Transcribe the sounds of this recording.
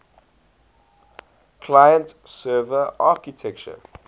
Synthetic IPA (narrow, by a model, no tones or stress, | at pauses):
kʰlajə̃ntsɜːvəʔakitʰɛkt͡ʃə̰